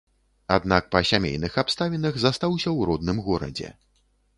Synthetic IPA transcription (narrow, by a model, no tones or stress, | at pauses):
ad̪nak̚pɐsʲamʲḛjnɨxapst̪avʲinɐɣzast̪awsʲɐwɾɔd̪nɨmɣɔɾɐ̰d͡zʲɛ̰